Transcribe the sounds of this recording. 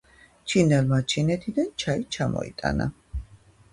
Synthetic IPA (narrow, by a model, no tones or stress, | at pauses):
t͡ʃʰinɛlmat͡ʃʰinɛt̪ʰid̪ant͡ʃʰait͡ʃʰamɔ̰ḭt̪ʼa̰na̰